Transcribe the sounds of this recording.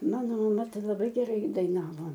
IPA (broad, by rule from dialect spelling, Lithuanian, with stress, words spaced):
ˈmɑːnoː mɐˈmɐ ˈtɐɪ lˠɐˈbɐɪ ɡʲɛˈrɐɪ dɐɪˈnɑːʋoː